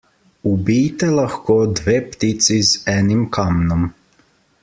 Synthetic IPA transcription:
ubiːjt̪ɛlaxkod̪ʋept̪it̪sizɛnimkʰamnom

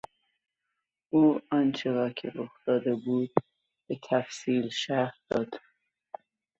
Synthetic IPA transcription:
ʔuːɒːnt͡ʃʰeɾɒːkʰḛɾoxt̪ɒːd̪ebuːd̪̚ | b̥et̪ʰæfsiːlʃæɾhd̪̥ɒːd̪̥

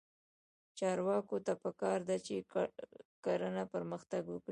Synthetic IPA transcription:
t͡ʃɑɾwɑkot̪apəkɑɾd̪at͡ʃe | kaɾənapəɾməxt̪aɡwəkɽi

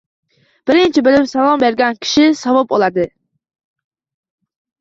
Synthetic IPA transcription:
b̥ɪɾɪnt͡ʃʰibɪlɪpsɑlˠɑmbeɾɡʲɛnkʲʰi̥ʃisɑvɑp̚olˠɑd̪ɨ

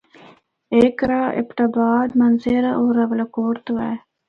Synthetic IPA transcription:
ekɾaːʔɪ̰pʈabɑːd̪manzeɾaʔoːɾawlakoɾt̪wa

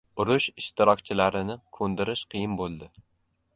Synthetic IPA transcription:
ʊɾʊʃɪʃt̪ʰɪɾɒkʲt͡ʃʰɪlaɾɪnɪkʰɵnd̪ɪɾɪʃqʰɨjɪmbolˠd̪ɪ

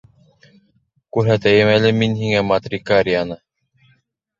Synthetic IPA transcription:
kʉɾɦæt̪æjɘmælɘminhiŋæmat̪rʲikaɾʲijanɤ

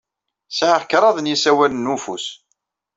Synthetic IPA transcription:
sʕaʁkɾˤɑðˤənjisæwælənːufus

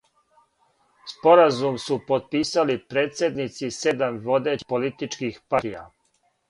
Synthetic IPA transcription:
spo̞ɾazumsupo̞t̪̚piːsalipɾeːt̪sje̞d̪nit̪sise̞d̪amʋo̞d̪epolit̪it͡ʃkixpat̪ija̰

